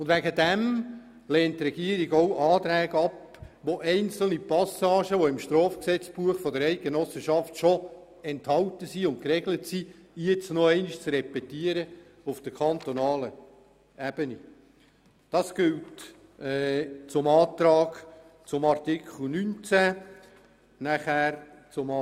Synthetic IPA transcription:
ʊndvʋæɡədæm | lɛːntːrɛɡiəɾiɡowʔɑːtɾæːɡəɑp | ʋoʔɛɪnt͡sl̩nipɑsɑːʃəʋoɪmʃtɾɔːfksɛt͡sb̥uəχfɔdəɾɛɪt̚ɡ̥enɔsəʃɑftʃɔ | ɛnthɑltəsiʊnt̚kɾɛɡlətsijɛt͡snoɛɪniʃt͡srɛpɛtiəɾə | ufd̥əɾkʰɑnt̪ɔnɑːlə | æb̥əni | d̥ɑsɡ̥ɪltː | t͡sʊmɑːt̪ɾɑːɡ | t͡sʊmɑrtɪkʰl̩nynt͡sæ | næχæːɾ | t͡sʊm

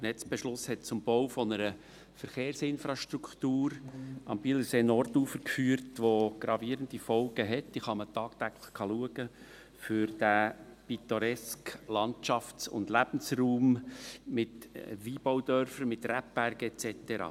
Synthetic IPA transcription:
nɛt͡sb̥ɛʃlʊshɛt̚t͡sʊmbɔwfɔnəɾə | fəɾχeːɾsɪnfɾɑʃtɾukχt̪uːɾɑmbiləseːnɔrtuːfəkfyːəɾtʋoɡ̥ɾɑviːɾənd̪ifɔlɡəɦɛtiχɑmət̪ɑːkt̪æɡləχkʰɑluəɡ̥ə | fʏɾd̥æpit̪ɔɾɛsklɑntt͡ʃɑft͡sʊ̰nd̪læb̥n̩sruːmmɪtʋiːb̥ɔwd̪œɾfəɾmɪt̪ræp̚b̥æɾɡ̥əɛt͡sɛtəɾɑ̰ː

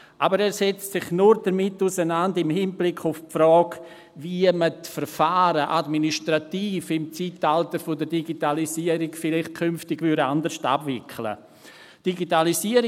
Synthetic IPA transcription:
ʔabəɾɛːɾsɛt͡ssɪχnuɾdəɾmɪtːusənandɪmhɪnblɪkʰʊfpfɾɔːɡ | viəmətfəɾfaːɾəʔadminiʃtɾatiːfɪmt͡siːtaltəɾfodəɾdiɡitalisiːəɾikfɪlɪχt̚kʰʏnftɪɡvyɾa̰ndəʃta̰bvɪkʰlə̰ | d̥iɡitalisiəɾ

